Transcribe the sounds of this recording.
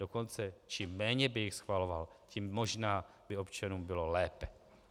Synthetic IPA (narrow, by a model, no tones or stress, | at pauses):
do̞ko̞nt͡sɛt͡ʃimːɛːɲɛbɪjɪxsxvalo̞valcimːo̞ʒnaː | bɪo̞pt͡ʃanuːmbɪlo̞lɛːpɛ